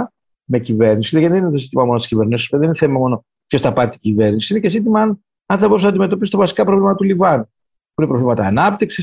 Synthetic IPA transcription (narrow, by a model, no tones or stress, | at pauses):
mecive̞ɾnisiðeɐiðeninet̪osit̪imɐmo̞not̪isciveɾnisospeðenineθemɐmo̞no̞ | p̪çost̪ɐpɐɾt̪iɟiveɾnisiinece̞sit̪̬imɐɐn | ɐnθɐboɾus̬nɐnd̪ime̞t̪o̞pisi̥t̪vɐsi̥kɐpɾovlimɐt̪ɐt̪ulivɐnu | puinepɾo̞vlimɐt̪ɐːnɐp̚t̪iksis